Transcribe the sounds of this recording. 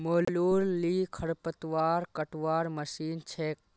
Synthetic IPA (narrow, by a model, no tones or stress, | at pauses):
moːlluːɾːiːkʰɐɽpət̪ʋaːɾkəʈʋaːɾməsiːnt͡ʃʰeːk̚